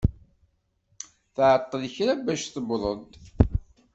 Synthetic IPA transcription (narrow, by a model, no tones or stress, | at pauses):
θʕət̪ˤːəðçɾabæʃθəbðˤəd̪